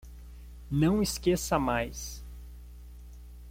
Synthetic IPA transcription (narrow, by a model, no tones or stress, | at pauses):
nɐ̃w̃iskesɐmajs